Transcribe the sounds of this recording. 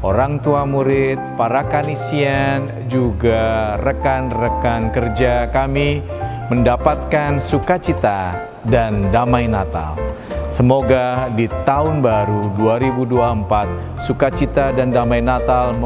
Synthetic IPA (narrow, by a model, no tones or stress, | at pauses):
oɾaŋt̪uamuɾɪt̪̚paɾakanisian | d͡ʒuɡarəkanrəkankərd͡ʒakami | məndapat̪̚kansukat͡ʃit̪a | dandamajnat̪a̰l | səmoɡadit̪aʊnbaɾuduaɾibuduaəmpat̪̚ | sukat͡ʃit̪adandamajnat̪al